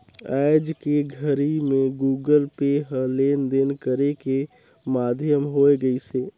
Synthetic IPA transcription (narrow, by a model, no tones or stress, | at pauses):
aɪd͡ʒkeɡʱəɾimẽɡuːɡəlpeɦəlend̪enkəɾeke | mad̪ʱjəmɦoeɡəiseː